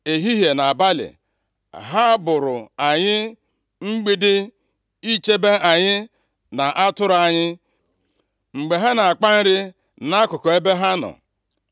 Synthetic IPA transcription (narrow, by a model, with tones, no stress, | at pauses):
e˨ɦi˦ɦje˨na˨ba˦lɪ̰˨ | ɦa˦bʊ˨ɾʊ˨a˨ɲɪ˦ | ŋ͡m̩˦ɡ͡bi˦dɪ˦ | i˦t͡ʃe˦be˦ʔa˨ɲɪ˦ | na˨ʔa˦tʊ˦ɾa˨ɲɪ˦ | ŋ͡m̩˨ɡ͡be˨ɦa˦na˨a˨k͡pa˦n̩˦ɾɪ˦ | na˦kʊ˨kɔ˨e˦be˦ɦa˦nɔ̰˨